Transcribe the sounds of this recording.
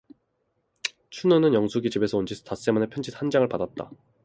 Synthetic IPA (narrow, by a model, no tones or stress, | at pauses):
t͡ɕʰunonɯnjʌŋsʰuɡit͡ɕibe̞sʰʌond͡ʑisʰtas͈e̞manepʰjʌnd͡ʑʰithand͡ʑaŋɯɭpadat̚t͈a̰